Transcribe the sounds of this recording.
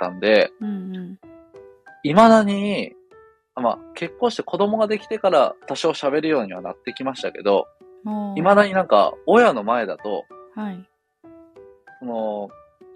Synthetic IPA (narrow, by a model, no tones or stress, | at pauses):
t̪ãnd̪e̞ | imad̪aɲ̟i | ama̰ke̞kːõ̞ːɕi̥t̪e̞ko̞d̪o̞mo̞ɡad̪e̞kʲi̥t̪e̞kaɾa̰at̪aɕio̞ɕabe̞ɾɯ̟jo̞ːɲ̟iβanat̪ːe̞kʲimaɕi̥t̪ake̞̰d̪o̞̰ | imad̪aɲ̟inãŋka̰ojano̞mae̞d̪at̪o̞̰hai | so̞no̞